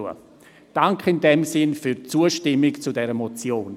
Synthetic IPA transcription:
ə̰ | d̥aŋkʰɪndɛmsɪnfyɾt͡suːəʃtɪmɪkt͡sudɛɾəmɔt͡sjoːn

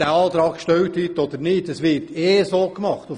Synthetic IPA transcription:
æɑːt̪ɾɑːkʃtœwt̪hyt̪ɔd̪əɾnɪːtəsʋɪɾtʰeːsoːkmɑχt̪u

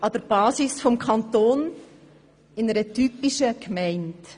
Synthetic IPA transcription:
ʔɑd̥əɾb̥ɑːsisfɔmkʰɑntoːn | ɪnəɾətypiʃəkmɛɪnd

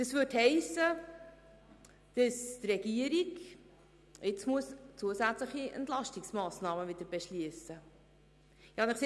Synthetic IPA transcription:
d̥ɑsʋʏthɛɪsːə | d̥əst̪rɛɡ̥iəɾiɡ | ɪt͡smuəst͡suəsæt͡sləχiʔɛ̰ntlɑʃtɪksmɑːsnɑːməʋɪd̥̪əɾb̥ɛʃliəsə | jɑɑnɪχse

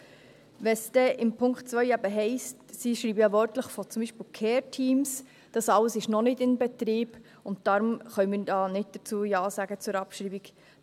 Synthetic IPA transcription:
ʋɛsd̥ɛʔɪmpʰʊŋktt͡sʋœʏæbəɦɛɪstsiʃɾiːbəjɑʋœɾtləχfɔt͡sʊmbiʃpiːlkʰɛːɾtʰiːms | d̥ɑsɑləsɪʃnɔnɪdɪnbɛt̪ɾiːb̥ | ʊnt̚d̥ɑːɾʊmχœʏmɪdɑːnɪt̚d̥ət͡suːjɑːsæɡət͡sʊɾɑpʃɾiːbik

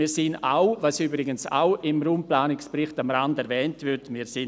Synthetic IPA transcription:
ɪːɾsɪna̰wvasybɾɪɡənsa̰ʊʔɪmɾuːmplaːnɪkspɾɪχtamɾandɛɾvɛːntvɪɾtmiːɾsɪ

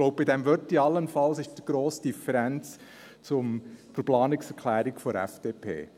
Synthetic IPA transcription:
ɡlɔʊp̚bɪdɛmʋœtiɑlːənfɑlsɪʃd̥iɡ̥ɾoːsəd̥ifəɾɛnt͡s | t͡sʊmt͡sʊplɑːnɪksɛɾkʰlæːɾɪkfɔɾɛ̰fd̥eːpʰḛː

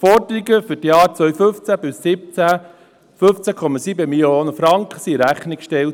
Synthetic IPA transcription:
fɔrdəɾiɡəfʏtjɑːɾt͡sʋœɥfɵft͡sæbɪsːɪp̚t͡sæ | føft͡sækʰɔmɑsiːbəmiljoːnəfɾɑŋkχə̥siɾæχnɪkʃtɛlt

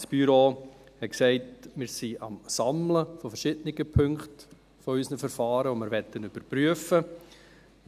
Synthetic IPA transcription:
sb̥yɾoː | hɛtksɛɪtmɪːɾsiɑmsɑmləfɔfɛɾʃɪdənɪɡ̥əpʰɵŋkt | fɔysnəfɛɾfɑːɾəʋomɪɾʋɛtːənyb̥əɾpryəfə

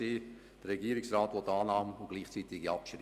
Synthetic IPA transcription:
eː | d̥əɾːɛɡiəɾɪksraːt̪ʋɔtːɑːnɑːməʊɡ̥liːχt͡siːt̪ɪɡiɑpʃɾi

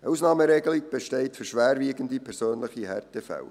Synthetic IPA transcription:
əusnɑːməɾeɡəliɡ̚b̥ɛʃtɛɪtfʏɾʃʋæːɾʋiːɡəndipʰɛɾsøːnləχihɛrtəfɛ̰l

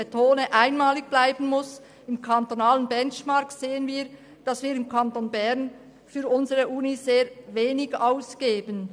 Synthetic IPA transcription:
ətʰoːnəʔaɪnmaːlɪɡ̚b̥laɪbən̩mʊs | ɪmkʰantonaːlənbɛnt͡ʃmaɐkseːənviːɐ | d̥ɑsviːʁɪmkʰantonbɛʁn | fyːʊnzəʁəʔuːnizeːveːnɪɡaʊsɡ̥eːbən

